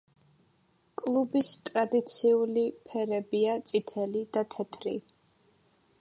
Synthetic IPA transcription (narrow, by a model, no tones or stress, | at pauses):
kʼlˠubist̪ʼɾad̪it̪sʰiulipʰɛɾɛbiat̪sʼit̪ʰɛlid̪̥at̪ʰɛt̪ʰɾḭ